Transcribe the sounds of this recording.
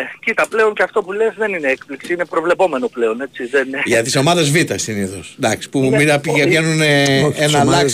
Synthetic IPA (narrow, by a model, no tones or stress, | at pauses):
cit̪ɐple̞o̞nceɐft̪o̞pulezðe̞nineekpliksiine̞pɾo̞vle̞po̞me̞no̞ple̞o̞ne̞siðenʝɐt̪iso̞mɐðezvit̪ɐsiniθosd̪ɐksi̥puminɐpiʝejenuneenɐlɐks